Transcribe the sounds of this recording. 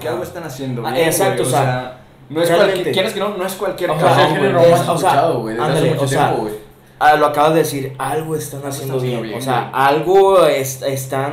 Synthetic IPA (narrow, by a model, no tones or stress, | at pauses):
kealɣoest̪anasjend̪oβjesakt̪ooseae | noesrealmẽejeɾeskenonoeskwalkjeɾosanenoeasoseaaðoɣweðand̪almũt͡ʃoseaowe | aloakaβazðeðesiɾalɣoest̪anasje̞nd̪oβjenjoseaʔalɣoesest̪a